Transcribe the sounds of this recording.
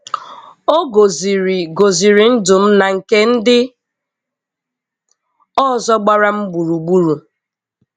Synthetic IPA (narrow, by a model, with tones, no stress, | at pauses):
o˦ɡo˨zi˨ɾi˨ɡo˨zi˨ɾi˨n̩˦dʊ˨m̩˦na˨ŋ̩˨ke˦n̩˦dɪ˦ | ɔ˦˨zɔ˦ɡ͡ba˦ɾa˦m̩˦ɡ͡bu˨ɾu˨ɡ͡bu˦ɾu˨